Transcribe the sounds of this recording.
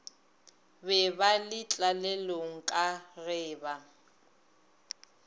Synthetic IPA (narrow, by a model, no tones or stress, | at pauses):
bɛbalɪt͡ɬʼalɛloŋ̩kʼarɛːba